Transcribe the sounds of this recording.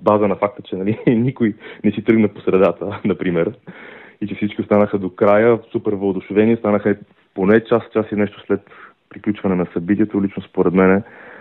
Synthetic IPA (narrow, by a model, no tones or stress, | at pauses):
bazənɐfak̚t̪ət͡ʃɛnɐlinikojnɛsit̪ɾɤɡnəposɾɛd̪at̪ənɐpɾimɛɾ | it͡ʃɛfsit͡ʃkʲiost̪anəxəd̪okɾajəsupɛɾvˠəd̪ʊʃʊvɛnist̪anəxɛ | ponɛt͡ʃast͡ʃasinɛʃt̪o̥slɛt̪ | pɾiklʲut͡ʃvɐnɛnɐsɐbit̪ʲiɛt̪olit͡ʃnospoɾɛd̪mɛnɛ